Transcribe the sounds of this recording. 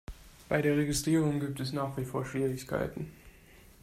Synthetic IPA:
b̥aɪdeːɐʁeɡɪstʁ̥iːʁ̞ʊŋɡiːp̚tɛsnaːχv̥ifoːɐʃv̥iːʁɪçkʰa̰ɪtn̩

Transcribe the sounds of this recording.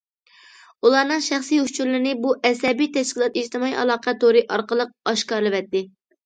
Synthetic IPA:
ulˠɑːnɨŋʃæχsijut͡ʃʰuɾlɪɾnɪbuʔɛsɛbijt̪ʰɛʃkʲilˠɑt̪iʃt̪ɨmɑḭɑ̰lˠɑːqɑt̪oɾɨʔɑɾqəlˠəq̚ɑʃkɑːɾlɨvɛt̪ːɪ

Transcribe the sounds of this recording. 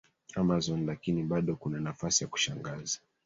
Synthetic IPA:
amazɔnlakiniɓaɗɔkunanafasijaku̥ʃaŋɡaza

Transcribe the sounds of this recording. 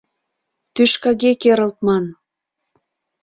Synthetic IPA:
t̪yʃkɑɣekeɾə̆lt̪̚mɑn

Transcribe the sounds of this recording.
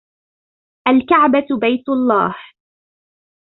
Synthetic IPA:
ʔalkaʕbabajt̪ʊlˤːɑ̰ːh

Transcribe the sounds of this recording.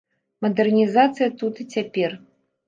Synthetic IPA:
mɐd̪ɛrnʲizat̪sɨjɐt̪ut̪ɨt͡sʲapʲɛr

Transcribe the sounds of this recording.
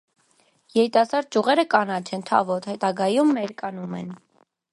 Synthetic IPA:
jɛɾit̪ɑsɑɾd̪̚d͡ʒuʁɛɾəkɑnɑt͡ʃʰɛnt̪ʰɑ̰vɔt̪hɛt̪ɑɡɑjumːɛɾkɑnumɛ̰n

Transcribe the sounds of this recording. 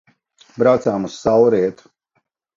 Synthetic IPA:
bɾawt̪saːmusːawɾiɛt̪u̥

